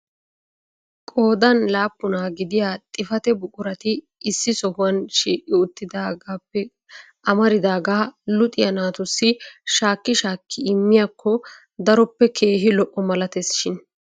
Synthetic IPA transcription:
kʼo̞ːd̪ɐnlaːpːʊnaːɡɪd̪ɪjaːt̪ʼɪfɐt̪ɛbʊkʼʊɾɐt̪ɪː | sːɪsɔhʊwɐnʃiːʔɪʊt̪ːɪd̪aːɡaːpːɛ | ʔɐmɐɾɪd̪aːɡaːlʊt̪ʼɪjɐnaːt̪ʊsːɪʃaːkːɪʃaːkʰːɪɪmːɪjakːɔ | d̪ɐɾɔpːɛkʰe̞ːɦɪlɔʔɔmɐlɐt̪ɛsʃɪn

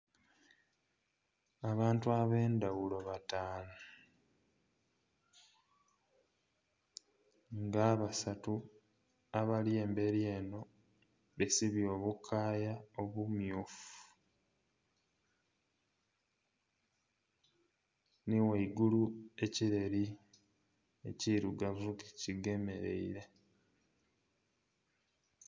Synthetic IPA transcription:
aβaːntuaβe̞ːndaɣulo̞βataːla | ŋɡaːβasatu | aβalie̞ːmbe̞ɾje̞ːno̞ | βesiβjo̞ːβukʰaːjaoβumjuːfu̥ | niwaiɡulue̞ciɾe̞ɾi | e̞̰ciɾuɡavuki̥ciɡe̞me̞ɾe̞̰ḭɾe̞

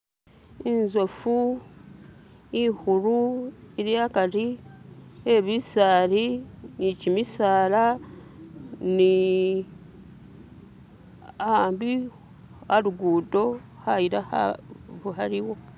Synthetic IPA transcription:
inzwefu | ihuɾuiɾjakaɾi | eβisaːɾinicimisaːla | ni | aːmbi | aɾuɡuːdo̞ | hajiɾahβuɦaɾiwo̞

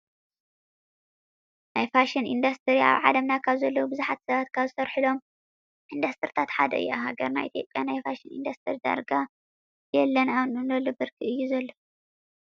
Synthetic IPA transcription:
najfaʃinḭnd̪ɐst̪ʰɨɾia̰βʕa̰lɐmnakʰaβzɐlːɐwubɨzuħat̪sɐβat̪kʰaβzɨsɐɾħɨlo̞m | ʔind̪ɐst̪ʰɨɾit̪ʰat̪ħa̰d̪ɐ̰ɨ̰jaɦaɡɐɾna̰jʔḭt̪ʰjo̞̰pʼjanajfaʃinḭnd̪ɐst̪ʰɨɾid̪a̰ɾɡa | jɛlːɐnawnɨnɐlːɨbɨɾkʰiɨjːuzɐlːo

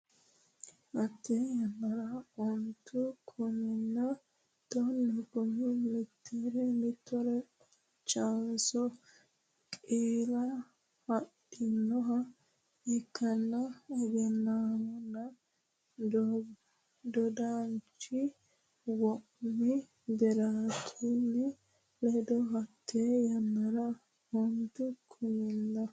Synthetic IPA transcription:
ʔɐt̪ːɛmɐɾaɔnt̪ʰːʊkʰɔmɪnːɐ | t̪ɔnːɛkɔmɪmɪt̪ʰːeɾɛmɪt̪ʰːɔɾɛ | t͡ʃːɐnsɔ | kʼeːlɐ | hɐtːɪnːɔɦɐ | ɛkːɐnːɐːɡɛnːaːmɔnːɐ | d̪ɔd̪aːnt͡ʃːɪ | wɔʔmːɪ | b̪ɛɾaːt̪ʰinːɛ | lɛd̪ɔɦɐt̪ʰːeːjɐnːɐɾɐ | hɔnd̪ʊkʰʊjɪnːɐ

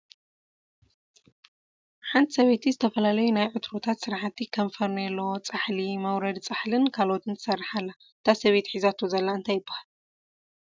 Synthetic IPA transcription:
ħant̪ʰsɐβet̪ʰizɨt̪ʰɐfɐlalɐjunajʕɨt̪ʰɾo̞t̪ʰat̪sɨɾħat̪ʰːikʰɐmfɐɾnɐlːowt͡sʼaħlimɐwɾɐd̪t͡sʼaħlɨnkʰalot̪ʰɨnt̪ʰɨ̥sɐrːaħalːa | t̪ʰasɐβe̞t̪ħizat̪ʰozɐlːaɨnt̪ʰajɪbːahal

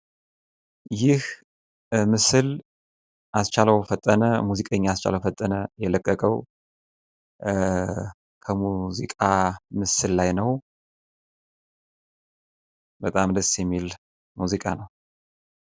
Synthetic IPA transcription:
jɪh | mɨsɨl | ʔast͡ʃʰaləwfət̪ʼːənəmuzikʼəɲːaast͡ʃa̰ləwfət̪ʼːənəjɛləkʼːəkʼəw | kʰəmuzikʼamɨsɨllajnəw | bət̪ʼamd̪əsjɛmːil | muzikʼa̰nəw

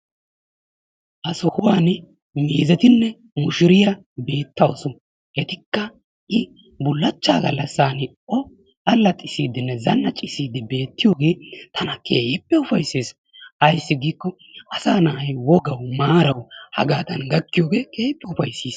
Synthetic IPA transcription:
ʔɐsɔhʊwaːn | miːzɛt̪ɪnːɛ | mʊʃɪɾɪjɐ | be̞ːt̪ːɐwɔ̰sɔ | ʔɛt̪ɪkːɐ | ʔɪ | bʊlːɐt͡ʃːaːɡɐ̰lːɐsːaːnɪ | ɔ | ɐlːɐt̪ʼɪsiːd̪ɪnːɛzɐnːɐt͡ʃʼɪsiːd̪ɪbe̞ːt̪ːɪjoːɡe̞ːt̪ʰɐnɐkʰeːpːɛʊfɐjseːs | ɐjsːɪɡiːkːɔ | ʔɐsaːnɐhɐjwɔɡɐwmaːɾɐwhɐ̰ɡaːd̪ɐnɡɐkːɪjoːɡe̞ːkʰʼeːpːɛʊfɐjsiːs

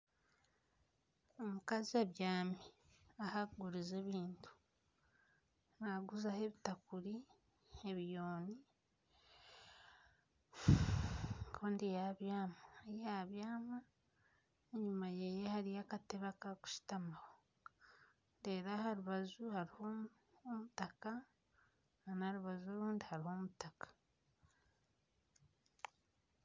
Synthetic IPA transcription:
omukaziaβjaːmiahaɡuɾizeβiːntʰu̥ | naɡuzahe̞βitakuɾi | eβijoːni | kʰoːndijaβjaːmajaβjaːma | eɲumajejehaɾijakateβakaku̥ʃi̥tamawo | ndeːɾahaɾuβazuhaɾiho | omutaka | nanaɾuβazoɾuːndihaɾiho̞mutakḁ

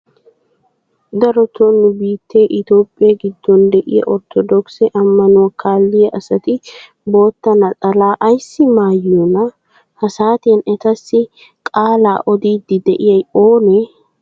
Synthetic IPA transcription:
d̪ɐɾɔt̪onːʊbiːt̪ːeːʔɪt̪o̞ːpʼːɪjaːɡɪd̪ːɔnd̪ɛʔɪ̰jɐ̰ʔɔɾt̪ʰɔd̪ɔksɛʔɐmːɐnʊwɐkʰaːlːɪjɐʔɐsɐt̪ɪ | bo̞ːt̪ːɐnɐtʼɐlaːʔɐjsːɪmaːjuːnɐ | hɐsaːt̪eːnɛt̪ɐsːɪ | kʼaːla̰ːʔɔd̪iːd̪ːɪd̪ɛʔɪjɐjoːnɛ

